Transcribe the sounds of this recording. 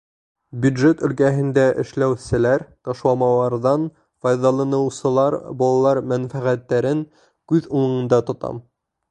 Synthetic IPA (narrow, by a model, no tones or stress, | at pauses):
bʲjud̪ʒet̪ɵ̆lkæɦɘ̆nd̪æʔɘ̆ʃlæwsɘ̆læɾt̪ɑʃlˠɑmɑlˠɑɾðɑn | fɑjðɑlˠɑnɤ̆wsɤ̆lˠɑɾbɑlˠɑlˠɑɾmænfæʁæt̪ːæɾɘŋ | kʉðulˠɤ̆ɴɤ̆nd̪ɑt̪ŏt̪ɑ̰m